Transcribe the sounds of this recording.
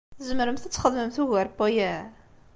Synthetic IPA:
zəməɾəmθət͡sːχəðməmθuɣæɾpːojæ

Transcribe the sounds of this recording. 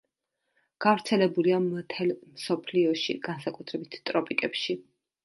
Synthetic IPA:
ɡ̥avɾt̪sʰɛlɛbuliamt̪ʰɛlmsɔpʰliɔʃḭɡ̥ansakʼut̪ʰɾɛbit̪ʰt̪ʼɾɔpʼikʼɛpʃi

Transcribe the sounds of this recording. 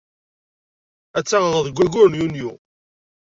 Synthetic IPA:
æt͡sːaʁəðˤəðɡʷːæɡʊɾnjunju

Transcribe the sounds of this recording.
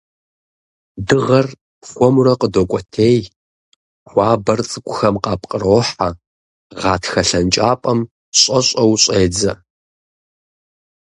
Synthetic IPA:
dɨʁɐr | xʷɔmurɐqədokʷʼɔtʰeːj | xʷɑːbɐrt͡sʼɨkʷʼʊxɐmqɑːp̚ʰʼqʼəroːħa | ʁɑːtʰxɐɬɐnt͡ʃʼaːpʼɐm | ɕʼɐɕʼɐwɕʼeːd͡zɐ

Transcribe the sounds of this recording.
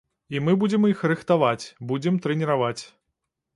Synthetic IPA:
imɨbud͡zʲɛmixɾɨxt̪avat͡sʲbud͡zʲɛmt̪ɾɛnʲiɾavat͡sʲ

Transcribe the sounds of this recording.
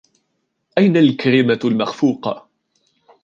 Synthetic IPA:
ʔajnalkalɪmalmaxfuːqɑ̰

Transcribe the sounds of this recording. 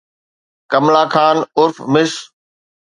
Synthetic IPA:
kɐmlaːkʰaːnʊɾfmɪs

